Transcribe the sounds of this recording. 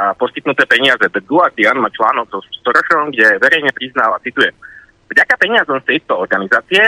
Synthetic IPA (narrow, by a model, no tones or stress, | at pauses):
apɔskit̪nut̪ɛːpɛɲɪazɛd̪ɛɡuaɾd̪ɪanmaːt͡ʃlaːnɔɡzɔst̪ɔɾɔt͡ʃɔɡɟɛʋɛɾɛjɲɛpɾiznalat͡sit̪ujɛm | vɟakapɛɲɪazɔmst̪ɛjt̪ɔɔɾɡanizaːt͡siɛ